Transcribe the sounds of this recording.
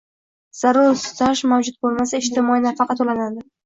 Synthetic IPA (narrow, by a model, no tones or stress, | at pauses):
z̥aɾʊɾst̪ʰaʃmawd͡ʒʊd̪̚bolˠmasaɪʃt̪ʰɪmɒinafɑqʰɑt̪olanad̪ɪ